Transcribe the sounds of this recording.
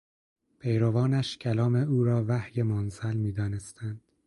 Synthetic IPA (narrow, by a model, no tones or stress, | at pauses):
pʰejɾovɒːnæʃcʲʰælɒːme̞uːɾɒːvæhjemonzælmiːd̪ɒːne̞st̪ʰænd̪̥